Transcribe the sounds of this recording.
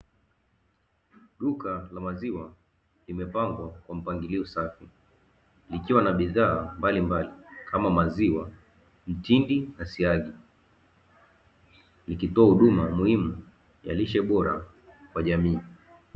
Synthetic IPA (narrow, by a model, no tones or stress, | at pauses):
ɗukalamaziwa | limɛpaŋɡwakwam̩paŋɡiliɔsafi | likiwanaɓiðaːmbalimbalikʰamamaziwa | m̩tindinasiaɡi | likitɔahuɗumamuhimu | ja̰liʃɛɓɔɾa̰ | kwaʄamiː